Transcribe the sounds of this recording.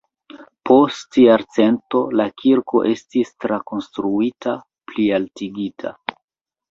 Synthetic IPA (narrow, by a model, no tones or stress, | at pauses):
pʰo̞stjaɾt͡se̞nto̞lakʰiɾko̞̰ʔe̞stistɾako̞nstɾuitʰa | plialtiɡitʰa̰